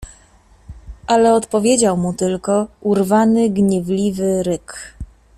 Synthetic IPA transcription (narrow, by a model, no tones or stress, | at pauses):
ʔalɛɔt̪pɔvʲjed͡ʑawmut̪ɘlkɔuɾvanɘɡɲɛvlʲivɘɾɘk